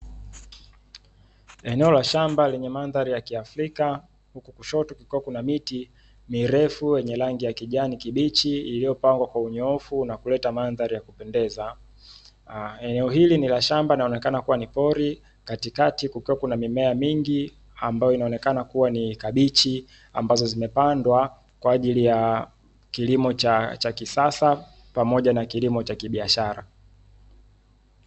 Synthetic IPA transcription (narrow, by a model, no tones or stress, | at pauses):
ɛnɛɔlaʃambalɛɲɛmanðaɾijakiafɾika | hukukuʃɔtukukiwakunamiti | miɾɛfujɛɲɛlaŋɡijakiʄanikiɓit͡ʃiilijɔpaŋɡwakwauɲɔɔfunakulɛtamanðaɾijakupɛndɛza | ɛnɛɔɦilinilaʃambainaɔnɛkanakuwanipɔɾi | katikatikukiwakunamimɛamiŋɡi | ambajɔinaɔnɛkanakuwanikaɓit͡ʃi | a̰mbazɔzimɛpandwa | kwaːʄilija | kilimɔt͡ʃat͡ʃakisasa | pamɔʄanakilimɔt͡ʃakiɓiaʃaɾa̰